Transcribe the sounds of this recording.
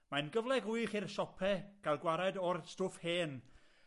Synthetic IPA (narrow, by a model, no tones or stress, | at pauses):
manɡəvlˠɛɡʊjχirsɔpʰɛɡ̥alˠɡwaɾadɔrstʊfheːn